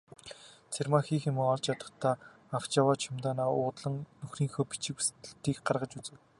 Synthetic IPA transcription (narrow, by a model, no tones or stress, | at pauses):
t͡sʰermaxiːxemɘ̆ŋɔɮt͡ɕjat̪ə̆t̪ʰːaː | aw̥t͡ɕawaːt͡ɕʰʊmt̪aːnaːʊːt̪ɮə̆ŋnɵxriːŋxoːpit͡ɕɪ̆kust̪ɘ̆ɬt̪iːkɢarʁə̆t͡ɕut͡sɘ̆w